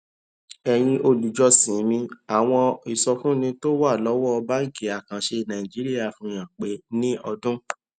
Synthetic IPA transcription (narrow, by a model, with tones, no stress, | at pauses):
ɛ˧j̃ĩ˧ʔo˧lu˨d͡ʒɔ˧sĩ˨˦mĩ˧a˨w̃ɔ̃˧i˨sɔ˧fũ˦nĩ˧to˦wa˦˨lɔ˨˦wɔ˦ɔ˧ba˦ŋ̩˦˨ki˨a˨kã˨ʃe˧nã˨i˨d͡ʒi˨˦ɾi˦a˦˨fũ˧j̃ã˨k͡pe˨˦nĩ˦ɔ˧dũ˦